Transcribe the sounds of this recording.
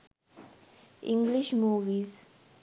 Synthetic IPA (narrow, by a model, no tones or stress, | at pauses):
ɪ̰̃ŋɡlɪʃmuːʋiːz